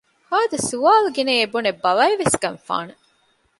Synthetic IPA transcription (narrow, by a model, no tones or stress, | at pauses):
haːd̪esuʋaːluɡineebunebɐʋɐiʋesɡɐnfa̰ːne